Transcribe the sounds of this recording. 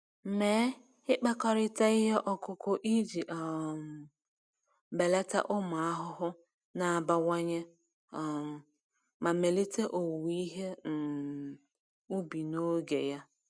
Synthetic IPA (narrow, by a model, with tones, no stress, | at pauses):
me˨˦ | ɪ˦k͡pa˦kɔ˦ɾɪ˦ta˦ɪ˦ɦe˦ʔɔ˦kʊ˦kʊ˦ʔi˦d͡ʒi˨ʔɔ˨m˨ | be˨le˦ta̰˦ʔʊ˦ma˨a˦ɦʊ˦ɦʊ˦ | na˨a˨ba˦wa˦ɲe˦˨ | ma˨me˨li˦te˦ʔo˨wi˦ɦe˦n̩˨ | u˦bi˨no˦ɡḛ˨ja˦